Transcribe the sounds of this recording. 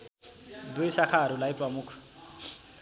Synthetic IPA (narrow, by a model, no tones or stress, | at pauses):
dwisakʰaɾʊlaipʼwamʊːkʰu̥